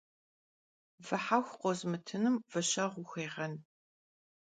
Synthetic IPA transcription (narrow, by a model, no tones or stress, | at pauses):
vɨħaxʷqʷɔzmɨtʰɨnɨmvɐɕɐʁʷʊxʷeːʁɐn